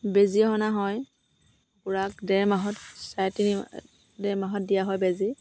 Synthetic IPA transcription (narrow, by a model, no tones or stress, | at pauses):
beziɦɔnaɦɔj | ɡuɹak̚dɛɹmaɦɔtsajtini | dɛɹmaɦɔt̚dijaɦɔjbezi